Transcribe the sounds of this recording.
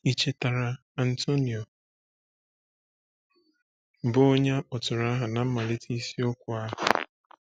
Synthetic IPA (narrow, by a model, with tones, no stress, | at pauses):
i˦t͡ʃe˦ta˨ɾa˨ | a˨n̩˨to˦ni˨ɔ˨ | bʊ˦o˦ɲa˦k͡pʊ˨tʊ˨ɾa˦ɦa˨na˨m̩˦ma˨le˦tʰi˦si˦o˦kʷʊ˨a˦ɦa̰˨